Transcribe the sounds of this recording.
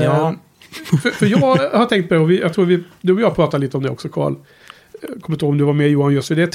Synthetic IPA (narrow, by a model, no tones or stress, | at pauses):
jɑː | ffœɾjɑːɡhaʈ̪ʰɛŋkt̪̚pɔd̪ɛɔvɪjɑɡt̪ʰɾuːɾvɪd̪ʉːvɪjɑːpʰɾɑːt̪aliːt̪əɔmd̪ɛ̰ɔ̰ksɔkʰɑ̰ːɭ | kʰɔmːənʰhoːɡɔmd̪ɵvaɾmejuːanjɵst̪fɪd̪ɛt̪ʰ